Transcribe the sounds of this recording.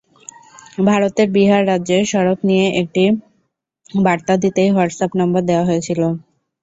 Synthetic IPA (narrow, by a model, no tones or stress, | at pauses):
bʱaɾot̪eɾbiɦaɾːadːʑeʃɔɾoknijeʔek̚ʈi | baɾt̪ad̪it̪ejɦaɖsapnɔmboɾd̪eoaɦoet͡ɕʰilo